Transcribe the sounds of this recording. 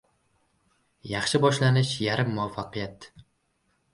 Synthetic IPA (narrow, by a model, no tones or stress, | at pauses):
jɑχʃɪbɒʃlanɪʃjaɾɪmːʊafːaqɨjat̪